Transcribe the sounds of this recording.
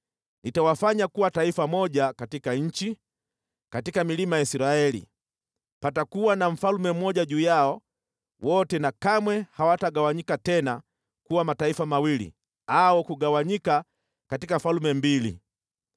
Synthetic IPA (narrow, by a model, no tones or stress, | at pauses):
nitawafaɲakuwataifamɔʄakatikaɲ̩t͡ʃi | katikamilimajaisiɾaɛlḭ | patakuwanaɱ̩falumɛm̩mɔʄaʄuːjaɔ | wɔtɛnakamwɛhawataɠawaɲikatɛna | kuwamataifamawilḭ | aɔkuɠawaɲika | katikafalumɛmbilḭ